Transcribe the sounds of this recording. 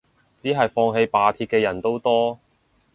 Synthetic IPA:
t͡siː˨˥ɦɐ˨jfɔː˧ŋɦe˧jpaː˨˧t̪ʰiː˧t̚kɛː˧jɐ˨˩nt̪o˥wt̪ɔː˥

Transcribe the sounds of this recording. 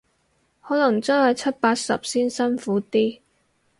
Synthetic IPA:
hɔː˨˥lɐ˨˩ŋt͡sœ˥ŋhɐ˨jt͡sʰɐ˥t̚paː˧t̚sɐ˨p̚siː˥nsɐ˥nfuː˨˥t̪iː˥

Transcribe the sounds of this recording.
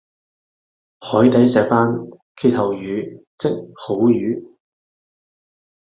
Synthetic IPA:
hɔː˨˥jt̪ɐ˨˥jsɛː˨˧k̚aː˥n | kʰe˥˧t̪ʰɐ˨wjyː˨˧˥t͡sɪ˥k̚ho˨˥wjyː˨˥

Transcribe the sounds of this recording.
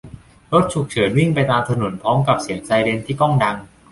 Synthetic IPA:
ɾo˦˥t̪̚t͡ɕʰu˨˩k̚t͡ɕʰɤː˩˦nwi˥˩ŋpa˧jt̪aː˧mt̪ʰa˧no˩˦npʰɔː˦˥mka˨˩p̚si˨˩˦əŋsa˧jɾe˧nt̪ʰiː˥˩kɔ˥˩ŋda˧ŋ

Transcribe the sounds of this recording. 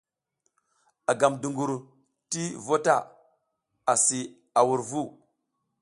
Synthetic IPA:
a˨ɡa˨mdu˨ŋɡu˨ɾ | ti˦vo˦ta˦˨ | a˨si˨ | a˨wu˨ɾvu˦˨

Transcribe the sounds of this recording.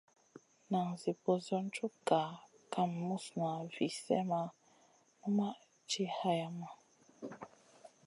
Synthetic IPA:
na˨ŋzi˨po˨zɔ˦n̩˦t͡ʃu˦ka˨ | ka˦mː˨u˦sna˨vi˨sɛ̰˦ma˦ | nu˦ma˦ | t͡ʃi˦ha˦ja˨ma˦

